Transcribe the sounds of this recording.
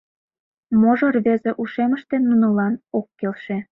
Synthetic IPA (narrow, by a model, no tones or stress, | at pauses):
moʒorβezĕʔuʃemə̆ʃt̪enːunolɑnokːelʃe